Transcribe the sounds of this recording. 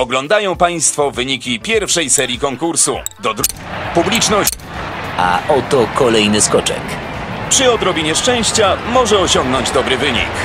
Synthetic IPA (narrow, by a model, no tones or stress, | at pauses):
ɔɡlɔnd̪ajɔ̃w̃paj̃st̪fɔvɘɲikʲipʲjɛɾfʂɛjsɛɾʲjikɔŋkuɾsṵd̪ɔd̪publʲit͡ʂnɔɕ | a̰ʔɔt̪ɔkɔlɛjnɘskɔt͡ʂɛ̰kpʂɨɔd̪ɾɔbʲiɲɛʂt͡ʂɛ̃w̃ɕt͡ɕamɔʐɛɔɕɔŋɡnɔɲd͡ʑd̪ɔbɾɘvɘɲḭk